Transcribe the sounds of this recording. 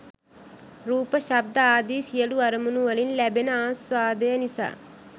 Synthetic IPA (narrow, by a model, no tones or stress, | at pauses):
ɾuːpɐʃɐb̚d̪ɐaːd̪iːsijɐluɐɾɐmunuʋɐlinlɛbenɐaːsʋaːd̪ɐjɐnisɐ̰